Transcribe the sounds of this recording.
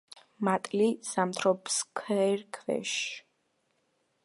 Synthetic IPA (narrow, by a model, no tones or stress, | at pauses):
mat̪ʼlisamt̪ʰɾɔpskʰɛɾkʰvɛ̰ʃ